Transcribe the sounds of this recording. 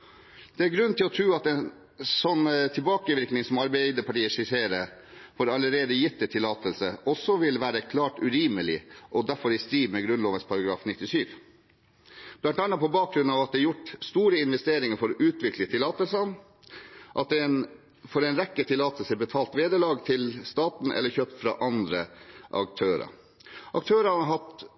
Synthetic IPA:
d̪̥ɛæɾɡɾʉnnt̪ʰɪlɔt̪ʰɾʉːɑt̪ɛn | sɔnːt̪ʰɪlbɑːkəʋɪɾknɪŋsɔmɑɾbæd̪əpʰɑʈiːəʂɪseːɾə | foːɾɑləɾeːd̪əjɪt̪d̪ɛt̪ʰɪlɑːt̪əlsəʔɔsːɔʋɪlʋæːɾəkʰlɑːʈʉɾiːməlɪʔɔd̪æɾfɔɾɪst̪ɾiːʋmɛɡɾʉnloːʋəspʰɑɾɑɡɾɑ̰ːfnɪt̪ːɪsyːʋ | b̥lɑnt̪ɑnːɑpɔbɑːk̚ɾʉnɑːʋɑt̪̚d̪ɛjʊʈst̪uːɾəɪnʋɛst̪eːɾɪŋəɾfɔɾʔʉːt̪ʰʋɪklət̪ʰɪlɑːt̪əlsɑn | ʔɑt̪̚d̪ɛn | fɔɾɛɪnɾɛkːət̪ʰɪlɑːt̪əlsəbət̪ʰɑːlt̪ʋeːd̪əɭɑːɡt̪ʰɪlst̪ɑːt̪n̩ʔɛ̰lːəçøːp̚t̪fɾɑ̰ʔɑnd̪ɾəʔɑ̰k̚t̪ʰøːɾɑ̰ | ʔɑk̚t̪ʰøːɾəɦɑt̪

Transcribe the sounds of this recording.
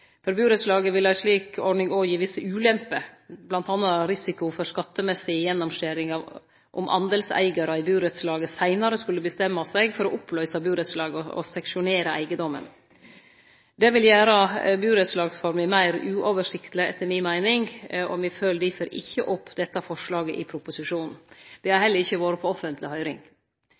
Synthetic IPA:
fɔɾbʉːɾət̪slɑːɡəʋɪlæɪʂɭiːkʰɔɖɳɪŋojiːʋɪsəʉːlɛmpəblɑnt̪ɑːnːɑɾɪsɪkʊfɔɾskɑt̪ːəmɛsɪjɛnːɔmʂeːɾɪŋɑ | ʔɔ̰mʔɑ̰nd̪əlsæ̰ɪɡɑɾɑɪbʉːɾɛt̪slɑːɡəsæɪnɑɾəskʉlːəbəst̪ɛmːɑsɛɡfɔɾɔʔʊpʰːlœʏsɑbʉːɾət̪slɑːɡəɔɔ̰sɑkʂɪʊneːɾɑæ̰ɪɡəd̪ɔmːə̰n | d̪ɛʋɪljæːɾɑbʉːɾɛt̪slɑːɡsfɔɾmɪmæɪɾʉːʔoːʋəʂɪkt̪lɪɛ̰t̪ʰːəɾmɪnmæɪnɪŋɔ̰mɪføːlɖ̪ɪføːɾʔɪ̰çːəʔɔpʰːd̪ɛt̪ːɑfɔʂlɑːɡəʔɪpʰɾʊpʊsɪʂuːnn̩d̪̥ɛæɾhɛlːəɾɪçːəʋoːɾəpʰɔɔfənt̪lɪhœʏɾɪ̰ŋ

